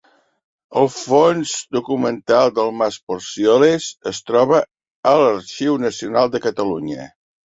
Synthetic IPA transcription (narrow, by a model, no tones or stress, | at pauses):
əlˠfonzd̪ukumənt̪alˠd̪əlˠmaspoɾsjolezəst̪ɾɔβə | ələɾʃiwnəsiunalˠd̪əkət̪əluɲə̰